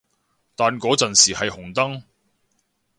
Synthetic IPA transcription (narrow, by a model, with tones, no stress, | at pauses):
t̪aː˨nkɔː˨˥t͡sɐ˨nsiː˨˩hɐ˨jhʊ˨˩ŋt̪ɐ˥ŋ